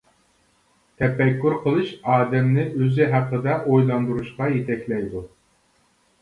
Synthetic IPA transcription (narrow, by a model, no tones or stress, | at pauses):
t̪ʰɛpɛkʲːyɾqʰəlˠɨʃɑːd̪ɛmnɪʔøzɪɦæqːəd̪ɛʔojlˠɑnd̪uɾuʃqɑjet̪ʰɛkʲlɛjd̪u